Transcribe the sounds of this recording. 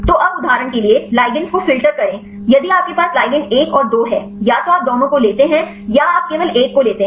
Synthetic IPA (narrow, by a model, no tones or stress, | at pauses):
t̪oːʔɐbʊd̪ʱaːɾəɳkelielaːɪɡə̃nskofɪlʈəɾkɐɾẽː | jɐd̪iaːp̚kepaːslaːɪɡɪ̃ɳeːkɔːɾd̪oːɦɛː | jaːt̪oaːp̚d̪oːnõkoleːt̪eɦɛ̃ | jaaːp̚keːʋəleːkːoleːt̪eɦ